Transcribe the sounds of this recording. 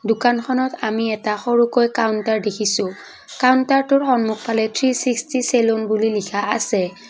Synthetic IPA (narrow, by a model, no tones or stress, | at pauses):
dʊkankʰɔnɔtamiɛtaxɔɹukojkawntaɹdekʰisʊ̃ | kawntaɹtʊɹxɔnmuk̚palɛtʰɹisikstiselonbulilikʰaasɛ